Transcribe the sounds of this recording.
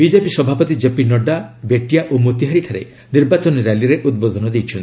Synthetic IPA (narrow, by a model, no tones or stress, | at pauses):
bid͡ʒepisɔbʱapɔt̪id͡ʒepinɔɖabeʈijaʔomot̪iɦaɾiʈʰaɾḛ | niɾbat͡ʃɔnɔɾaliɾeʔud̪̚bod̪ʱɔnɔd̪ejt͡ʃʰɔnt̪i